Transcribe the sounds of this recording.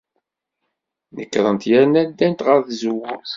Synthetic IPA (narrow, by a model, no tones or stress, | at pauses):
nəkːɾˤənt̪jæɾnæd̪ːænt̪ʁəɾθzəwʊ